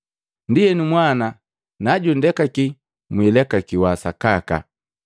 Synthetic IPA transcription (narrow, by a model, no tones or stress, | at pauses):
ndijɛnumwana | naɟundɛkaki | mwilɛkakiwasakaka̰